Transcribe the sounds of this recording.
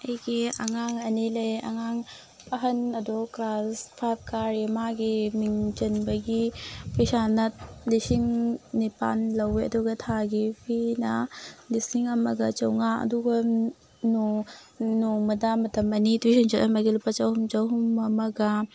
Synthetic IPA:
ɐjɡiɐŋaŋɐnilɐjɐ̰ŋaŋ | pɐɦɐnɐdukɾaspʰap̚kaɾimaɡimiŋt͡ʃɐnbɐɡipʰɐjsanɐtlisiŋnipa̰nlɐweɐ̰duɡɐtʰaɡipʰinɐlisiŋɐmɐɡɐt͡ʃɐwŋaɐ̰duɡɐ | nu | nuŋmɐdamɐtɐmɐnitwisɐnd͡ʒɐtɐmɐɡilupːɐt͡ʃɐwhumt͡ʃɐwɦumɐmɐɡɐ

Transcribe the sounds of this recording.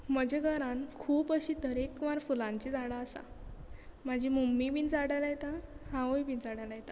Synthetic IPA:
məd͡ʑeɡəɾankʰuːpəɕiːt̪əɾekʋãɾfulãɲt͡ɕid͡zaɽaːsa̰ | mad͡ʑʱimumːibiːnd͡zaɽalajet̪ahãʋəjbiːnd͡zaɽalajet̪a

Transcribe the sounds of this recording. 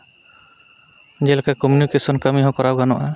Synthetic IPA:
d͡ʒɛlkakɔmjunikesɔnkamiɦɔ̃kɔɾawɡanɔʔa

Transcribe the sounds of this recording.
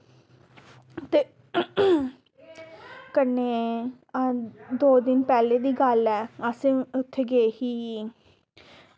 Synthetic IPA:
t̪eː | kəneː | d̪oːd̪ɪnpɛːleːd̪iːɡəlɛːəsẽːʊt̪ʰːeːɡeːhiː

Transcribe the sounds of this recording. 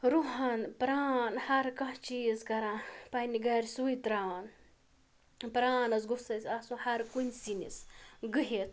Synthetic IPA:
ɾuɦɐnpɾaːnhɐɾkɐɦt͡ʃiːzkɐɾapɐniɡɐɾʲsuit̪ɾaːn | pɾaːnɐsɡusɐsʲasũhɐɾkunsinisɡɨɦet̪

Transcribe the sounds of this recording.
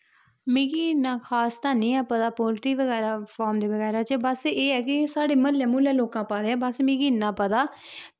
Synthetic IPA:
mĩːɡiːnãːkʰaːst̪aːnĩːɛ̃ːpət̪aːpoːlʈiːʋəɡɛːɾaːpʰɔːɾmd̪eːʋəɣɛːɾaːt͡ʃbəseːɛːkɪsaːɽeːməlɛ̃ːmuːlɛ̃ːloːkãːpãːd̪eːɛːbəsmĩːɡiːnːãːpət̪aː

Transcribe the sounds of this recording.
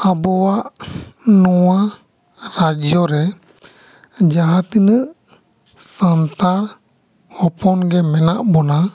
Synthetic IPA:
abɔwaʔnɔwa | ɾad͡ʒjɔɾɛ | d͡ʒaɦat̪inəʔ | sant̪aɽ | hɔpɔnɡɛmɛna̰ʔbɔna

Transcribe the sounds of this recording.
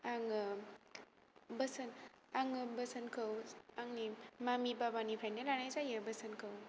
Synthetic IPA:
aŋ | bəsɐn | aŋbəsɐnkʰɐwaŋnimamibabanipʰajnalanajsajɯbəsɐnkʰɯw

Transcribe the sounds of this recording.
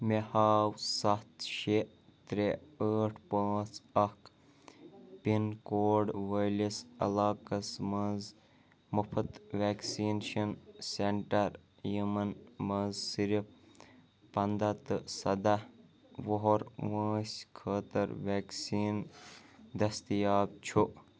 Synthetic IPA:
mehaːwsɐt̪ʃe | t̪ɾeəːʈʰpəːt͡sʰɐk | pinkoːɖʋɐjlisɐ̰laːkɐsmɐnz | mɐpʰɐt̪ʋʲeːksiːnʃɐnseɳʈɐɾ | jimɐnmɐzsiɾi | pɐnd̪ɐt̪ɨsɐd̪ɐ | ʋoɦoɾʋãːsʲkʰəːt̪ɐɾʋeːksiːn | d̪ɐst̪ijaːb̚t͡ʃʰu

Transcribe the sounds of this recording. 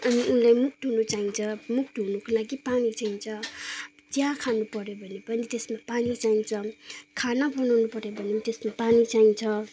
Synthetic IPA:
amiulajmuk̚tunut͡ʃajnt͡ʃɔmuk̚tunukʰɯlakipanit͡ʃajnt͡ʃɔ | tijakʰanupɔɾebʌnibʌnitesmapanit͡ʃajnt͡ʃɔkʰanapʰɔnɔnupɔɾebʌnimtesmapanit͡ʃajnt͡ʃʰɔ

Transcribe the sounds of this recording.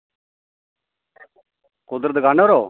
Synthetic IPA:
kʊd̪ɾd̪əɡaːnoːɾoː

